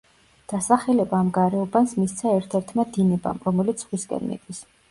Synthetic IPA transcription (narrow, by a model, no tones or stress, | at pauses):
d̪̥asaχɛlɛbaːmɡaɾɛɔbansmist̪sʰaɛɾt̪ʰɛɾt̪ʰmad̪inɛba̰mɾɔmɛlit̪sʰχwiskʼɛ̰nmḭd̪ʼwis